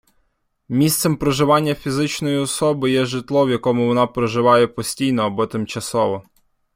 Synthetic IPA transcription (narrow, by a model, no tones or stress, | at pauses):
mʲist̪sɛmpɾɔʒɪʋɑnʲːɐfʲizɪt͡ʃnɔjiɔsɔbɪjɛʒɪt̪lˠɔwjɐkɔmʊʋɔnɑpɾɔʒɪʋɑjɛpɔsʲtʲijnɔːbɔt̪ɪmt͡ʃɐsɔʋɔ